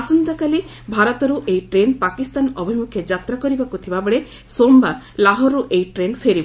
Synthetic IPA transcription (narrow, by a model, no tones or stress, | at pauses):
asunt̪ɔkali | bʱaɾɔt̪ɔɾuʔejʈɾenpakist̪anɔbʱimukʰjɔd͡ʒat̪ɾakɔɾibakut̪ʰibabɔɭe | somba | laɦɔɾːuʔejʈɾenpʰeɾib